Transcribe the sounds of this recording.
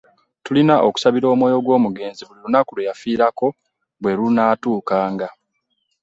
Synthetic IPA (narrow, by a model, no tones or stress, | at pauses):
tulinaʔoku̥saβiɾo̞ːmwoːjo̞ɡwo̞ːmuɡe̞ːnziβulilunakulejafiːɾako̞ | βwe̞lunaːtuːkaːŋɡa